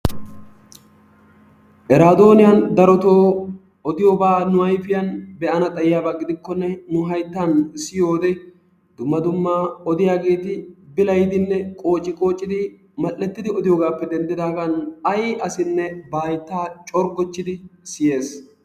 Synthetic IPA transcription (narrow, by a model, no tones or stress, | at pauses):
ʔɛɾaːd̪o̞ːnɪjɐnd̪ɐɾɔt̪o̞ː | ɔd̪ɪjoːbaːnʊɐjfɪjɐnbɛʔɐnɐt̪ʼɐjjaːbaːɡɪd̪ɪkːɔnːɛnʊɦɐjt̪ːansːɪjo̞ːd̪ɛ | d̪̥ʊmːɐd̪ʊmːaːɔd̪ɪjaːɡe̞ːt̪ɪbɪlɐjd̪ɪnːɛkʼo̞ːt͡ʃʼːɪkʼo̞ːt͡ʃʼːɪd̪ɪ | mɐlːɛt̪ːɪd̪ɪɔd̪ɪjoːɡaːpːɛd̪ɛnd̪ɪd̪aːɡɐnɐjʔɐsɪnːɛbaːjt̪ːaːt͡ʃʼɔɾɡɔt͡ʃːɪd̪ɪsɪje̞ːs